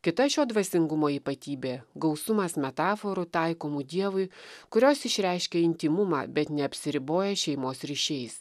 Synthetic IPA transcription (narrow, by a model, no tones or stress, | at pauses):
kʲɪt̪ɐʃʲoːd̪ʋɐsʲɪŋɡʊmoːiːpɐt̪ʲiːbʲeːɡɒʊsʊmɐsmʲɛt̪ɑːfoːɾʊt̪ɐɪkoːmud̪ʲiɛʋʊɪkʊɾʲoːsɪʃʲɾʲæɪʃʲkʲɛɪnʲt̪ʲɪmʊmɑ̰ːbʲɛt̪nʲɛɐpʲsʲɪɾʲɪboːjɛʃʲɛɪmoːsɾʲiʃʲɛɪs